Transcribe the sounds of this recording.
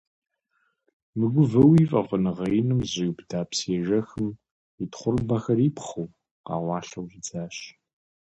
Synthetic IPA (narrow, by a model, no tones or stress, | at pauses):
mɨɡʷʊvɐwiːfʼɐʁənɨʁɐjnɨmʑɪwbdaːpseːʒɐxɨm | itχʷʊrbɐxɐriːpχɐw | qɑ̰ːʁʷɑːɬɐwʒid͡zaːɕ